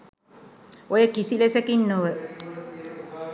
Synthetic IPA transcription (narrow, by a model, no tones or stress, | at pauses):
ojəkisilesəkinːoʋə